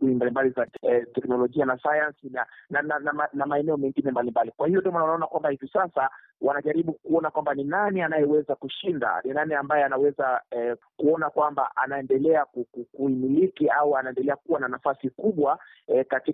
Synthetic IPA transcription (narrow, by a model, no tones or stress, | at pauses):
uimbalimbalizatɛknɔlɔʄianasajansinanananamanamaɛnɛɔmɛŋɡinɛmbalimbalikwahijɔndiɔmanawanaɔnakwambahivisasa | wʔanaʄaɾiɓukuɔnakwambaninanianajɛwɛzakuʃinda̰ninaniambajɛanawɛzakuɔnakwamba̰ʔanaɛndɛlɛakukukuimilikiauanaɛndɛlɛakuwananafasikuɓwa | kati